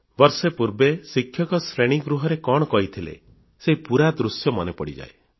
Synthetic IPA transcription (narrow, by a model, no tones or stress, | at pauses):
bɔɾsepuɾbesikʰjɔkɔsɾeɽ̃iɡɾuɦɔɾekɔɽ̃ɔkɔɦit̪ʰilḛ | seipuɾad̪ɾusjɔmɔnepɔɽid͡ʒa̰e